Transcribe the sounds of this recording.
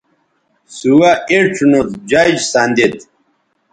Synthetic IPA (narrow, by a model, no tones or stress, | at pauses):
suwaeʈ͡ʂʰnut̪d͡ʑad͡ʑsand̪it̪